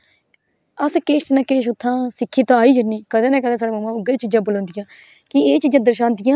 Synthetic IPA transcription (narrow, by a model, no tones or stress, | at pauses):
əskeːʃnãːkeːʃʊt̪ʰːãːsɪkʰːiːt̪ãːaːiːd͡ʒənːiːkəd̪ẽːnɛ̃ːkəd̪ẽːsaːɽeːməmãːʊɡeːt͡ʃiːd͡ʒãːbəlõːnd̪ɪjãː | kɪeːt͡ʃiːd͡ʒãːd̪əɾʃãːnt̪ɪjãː